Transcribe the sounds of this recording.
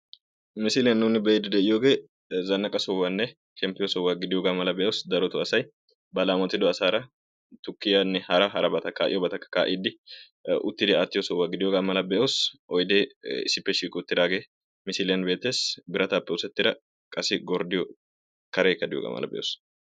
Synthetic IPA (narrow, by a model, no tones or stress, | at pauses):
mɪsɪlɪjɐnːuːnɪbɛɛd̪ɪd̪ɛʔɪjoːɡe̞ː | zɐnːɐkʼɐsɔwːanːɛ | ʃɛmpɪjɔsɔwːaːɡɪd̪ɪjoːɡaːmɐlɐbɛʔoːsd̪ɐɾɔt̪ʊɐsɐj | bɐlaːmɔt̪ːɪd̪ɔɐsaːɾɐ | t̪ʊkːɪjanːɛhɐɾɐɦɐɾɐbɐt̪ɐkːaːʔɪ̰jɔbɐt̪ɐkːɐ̥kaːʔɪd̪ːɪ | ʊ̰t̪ːɪd̪ɪaːt̪ːɪjɔsɔwːaːɡɪd̪ɪjoːɡaːmɐlɐbɛʔoːsʔɔjd̪eːɪsɪpːɛʃiːkʼʊʊt̪ːɪd̪aːɡe̞ː | mɪsɪlɪjɐnbeːt̪ːesbɪɾɐt̪ɐpːɛʊsɛt̪ːɪd̪ɐ | kʼɐsɪɡɔɾd̪ɪjɔ | kɐɾeːkːɐd̪ɪjo̰ːɡa̰ːmʔɐ̰lɐ̰bɛ̰ʔo̰ːs